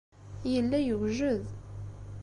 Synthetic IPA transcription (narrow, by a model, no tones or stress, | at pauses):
jəlːæjəwʒəð